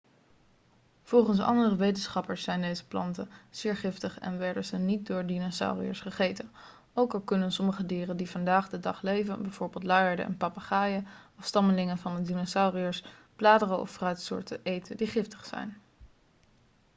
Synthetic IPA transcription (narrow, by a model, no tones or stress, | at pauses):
v̥ɔlˠχənsɑ̰ndərəʋejtənsχɑpəɹsːɛjndejzə̥plɑ̰ntəz̥ɪːɹχɪftəχɛ̰nʋɛɹdəzənit̚dʊːɹdinosa̰wriə̰sχəχejtən | owkɑlˠkɵnənsɔməχədiːrəndivɑndaːχdədɑχlejvənbɛjv̥ʊːɹbeɪːlˠtlaːjəɹdə̰ʔɛ̰npɑpaχaːjəɑfstɑməlɪŋəvɑndədinosawriəs | plaːdərəɔ̰frœɥtsʊ̰ːɹtəʔejtədiχɪftə̥χsɛ̰jn